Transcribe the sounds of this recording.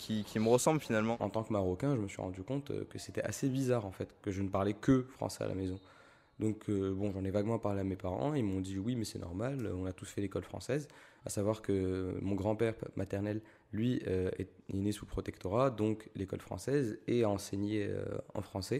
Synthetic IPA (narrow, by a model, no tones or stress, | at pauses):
kʲʰikʰʲiməʁəsɑ̃blfinalmɑ̃ɑ̰̃t̪ɑ̃kmaʁɔkʲɛ̃ʒəməsɥḭʁɑ̰̃d̪ykɔ̃t̪ø̰kəset̪ɛa̰sebizaʁɑ̃fɛt̪kəʒənəpaʁlɛkəfχɑ̰̃sɛa̰lʔa̰mezɔ̃ | d̪ɔ̃kʰøbɔ̃ʒɑ̃nɛvaɡmɑ̃paʁleamepaʁɑ̰̃imɔ̃d̪iwimɛsɛnɔ̰ʁmaløɔ̃nat̪usfɛlekɔlfχɑ̰̃sɛz | a̰savwaʁkəmɔ̃ɡʁɑ̃pɛʁmʔat̪ɛʁnɛlː | ɥiøɛ̰ | ɛ̰nesupχɔt̪ɛkt̪ɔʁad̪ɔ̃klekɔ̰lfχɑ̰̃sɛzɛɑ̃seɲeø̰ɑ̰̃fχɑ̃sɛ